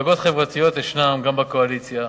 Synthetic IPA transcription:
aɡo̞tχevʁat̪ijo̞t̪jeʃnamɡambekoalit͡sja

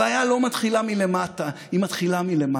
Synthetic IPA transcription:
aːjalo̞mat̪χilamile̞matahimat̪χilamile̞ma

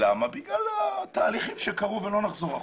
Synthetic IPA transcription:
amabiɡɡlalat̪aːliχimʃekaʁuvelo̞naχzo̞ʁa

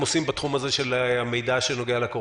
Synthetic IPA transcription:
mosimbat̪χumazeʃelame̞jd̪aʃeno̞ɡealako

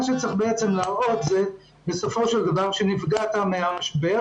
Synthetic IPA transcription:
aʃɛt͡sʁiχbeɛt͡sɛmlaʁot̪zɛ | besofoʃeld̪avaʁʃenifɡat̪ameamaʃbea

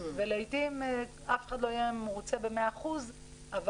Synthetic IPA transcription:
veleitim | afe̥χad̪lo̞ajemeʁut͡sebe̞meaχuz | ʔav

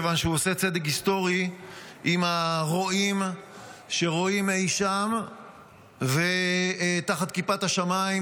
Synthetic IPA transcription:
vanʃeuoset͡se̞d̪ek̬ist̪o̞ʁiʔimaʁoim | ʃe̞ʁo̞imeiʃam | ve | t̪aχat̪̚kipat̪haʃamaim

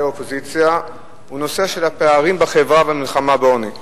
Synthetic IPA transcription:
opozit͡sja | huno̞seʃe̞lhapeaʁimbaχevʁavamilχamabeoni

